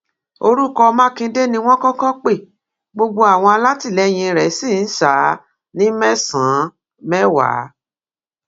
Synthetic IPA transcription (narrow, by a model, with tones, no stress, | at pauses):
o˧ɾu˦kɔ˧mã˦kĩ˧˦de˦nĩ˧w̃ɔ̃˦kɔ̃˦kɔ̃˦k͡pe˦˨ | ɡ͡bo˧ɡ͡bo˦a˦˨w̃ɔ̃˧a˧la˦ti˦˨lɛ˨˦j̃ĩ˧ɾɛ˨˦si˦˨n̩˦saː˨˦ | nĩ˦mɛ̃˦sã˨˦ | mɛ˦wa̰˨˦